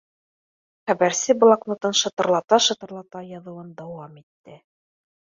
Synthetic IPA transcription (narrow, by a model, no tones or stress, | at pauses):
χæbæɾsɘb̆lˠɑknŏt̪ɤnʃɤ̆t̪ɤ̆ɾlˠɑt̪ɑʃɤ̆t̪ɤ̆ɾlˠɑt̪ɑjɑðɤ̆wɤnd̪æwɑmit̪ːɘ